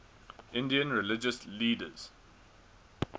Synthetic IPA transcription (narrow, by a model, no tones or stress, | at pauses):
ʔɪ̃ndiə̃nɹɪlɪd͡ʒəsliːdə̰z̥